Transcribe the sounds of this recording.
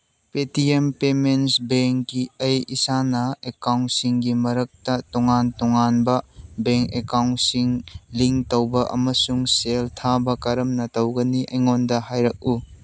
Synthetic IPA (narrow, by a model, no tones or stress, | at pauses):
petiempemensbeŋkːiɐjisanɐekawntsiŋɡimɐɾɐk̚tɐtɔŋantɔŋanbɐbeŋkekawnsiŋliŋtowbɐʔɐ̰mɐsuŋseltʰabɐkɐɾɐmnɐtɐwɡɐniʔɐjŋondɐhajɾɐk̚u